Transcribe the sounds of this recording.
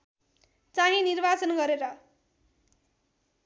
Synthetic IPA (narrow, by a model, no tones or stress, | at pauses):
t͡saɦĩnirbat͡sʌnɡʌɾeɾʌ